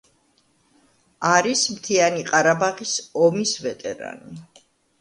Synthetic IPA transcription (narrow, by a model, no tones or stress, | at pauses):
aɾismt̪ʰianiqʼaɾabaʁisɔmisvɛt̪ʼɛɾa̰ni